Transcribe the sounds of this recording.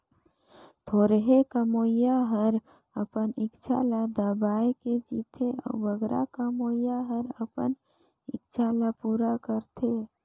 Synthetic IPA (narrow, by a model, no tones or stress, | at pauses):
t̪ʰoːɾɦekəmoːjaɦəɾ | əpənɪkt͡ʃʰa̰lad̪əbaːjked͡ʒit̪ʰeɔ̰ːbəɡɾa̰kəmojaɦəɾəpə̰n | ɪkt͡ʃʰalapuːɾakəɾt̪ʰe